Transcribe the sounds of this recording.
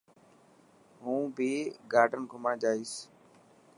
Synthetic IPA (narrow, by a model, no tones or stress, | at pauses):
ɦũːbɪːɡaːɾɖənɡʱʊmãːd͡ʒaːiːs